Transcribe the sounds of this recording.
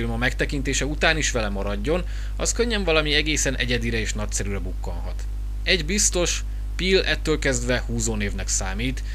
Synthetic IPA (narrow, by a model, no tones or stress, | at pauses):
ilmɒmɛkt̪ɛkint̪eːʃɛut̪aːniʃʋɛlɛmɒɾɒɟːo̞n | ɒskøɲːɛɱvɒlɒmiɛɡeːsɛnʔɛ̰ɟɛd̪iɾɛeːʃnɒc̚sɛɾyɾɛbukːonɦɒ̰t̪ | ɛɟbist̪o̞ʃ | pilɛt̪ːøːlkɛzd̪ʋɛhuːzoːneːvnɛksaːmiːt̪